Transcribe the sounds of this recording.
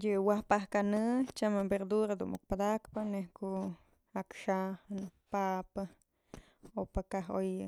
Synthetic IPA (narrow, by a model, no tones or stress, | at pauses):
jɨwahpahkanɨt͡ʃamabeɾd̪uɾad̪ṵʔʔuk̚pad̪akpanehkuʔ | akʃahnpapa | opakaɦoj